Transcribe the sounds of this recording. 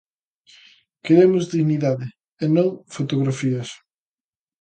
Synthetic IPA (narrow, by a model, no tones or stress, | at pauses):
keɾemʊzðiɣniðaðe | enõŋfot̪oɣɾafiɐs